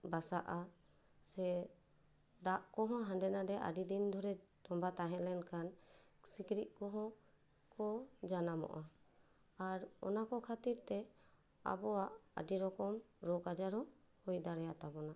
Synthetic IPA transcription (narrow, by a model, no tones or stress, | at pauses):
basaʔa | sɛ | d̪aʔkɔɦɔ̃ɦãndɛnadɛʔa̰did̪ind̪ʱɔɾɛt̪ɔmbat̪aɦɛ̃lɛnkansikɾit̪̚ˀkɔɦɔ̃ | kɔd͡ʒanamɔ̰ʔa | aɾɔ̰nakɔkʰat̪iɾt̪ɛ | a̰bɔwaʔa̰diɾɔkɔmɾɔkad͡ʒaɾɔ | hujd̪aɾɛjat̪abɔna